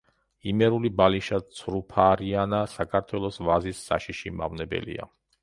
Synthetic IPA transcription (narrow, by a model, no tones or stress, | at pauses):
imɛɾulibaliʃat̪sʰɾupʰaːɾianasakʰaɾt̪ʰwɛlˠɔsvazisːa̰ʃiʃima̰vnɛbɛ̰lḭa̰